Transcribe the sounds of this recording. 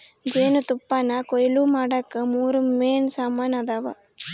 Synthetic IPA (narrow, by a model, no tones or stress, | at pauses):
d͡ʒeːnut̪upːɐnɐkɔjluːmaːɽɐkːɐmuːɾumːeːnsaːmanɐd̪aʋa̰